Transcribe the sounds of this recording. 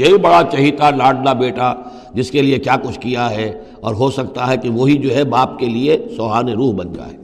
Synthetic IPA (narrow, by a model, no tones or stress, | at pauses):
jɐɦibɐɽat͡ʃɐɦɪt̪alaːɖnabeːʈa | d͡ʒɪskeliekjaːkʊt͡ʃʰkijaɦɛ | ɔːɾɦosɐkt̪aɦɛkiʋoɦid͡ʒoːɦɛbaːpkeliesɔːɦaːneɾuːɦbɐ̃nd͡ʒa̰ɛː